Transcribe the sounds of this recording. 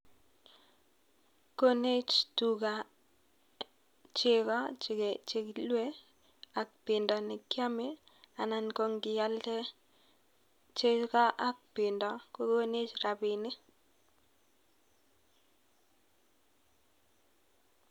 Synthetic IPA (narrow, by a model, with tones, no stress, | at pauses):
ko˦ne˦t͡ʃtu˨ka˨ | t͡ʃɪ˦˨kɔ˦t͡ʃt͡ʃe˦klwe˦ | a˨k̚pɪ˨ndɔ˨nɪ˨kja˦mɪ˦ | a˨na˨nko˦ŋɡɪ˨ja˦ltɛ˦ | t͡ʃe˦ka˦ʔa˨˦k̚pɪ˨ndɔ˨ko˦ko˦ne˦t͡ʃɾa˨bɪ˨nɪ˦